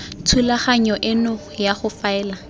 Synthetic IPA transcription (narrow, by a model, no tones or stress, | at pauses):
t͡sʰulaχaɲɔʔɪnʊ | jaχʊfaɛːla